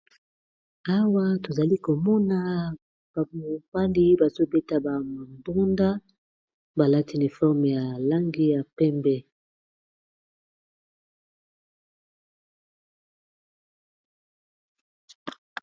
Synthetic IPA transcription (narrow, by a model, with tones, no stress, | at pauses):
a˦wa˦to˨za˨li˦ko˨mɔ˦na˨ | b̥a˨mo˨ba˦li˦ba˨zo˦be˦ta˦ba˨mo˨ndu˦nda˦ | ba˨la˦ti˦ni˨fɔ˦ʁm˨ja˨la˦ŋɡi˦ja˨pɛ˦mbɛ˦